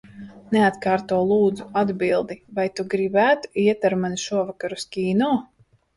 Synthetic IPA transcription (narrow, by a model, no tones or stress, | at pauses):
neat̪kaːɾt̪uɔlˠuːd̪zuad̪bilˠd̪ivajt̪uɡɾibæːt̪u̥iɛt̪aɾmaniʃuɔvakaɾuskʲiːnɔː